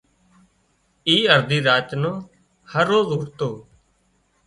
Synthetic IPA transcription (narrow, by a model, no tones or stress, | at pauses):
iːəɾd̪iːɾaːt͡ʃnõː | həɾːoːzɦʊɾt̪oː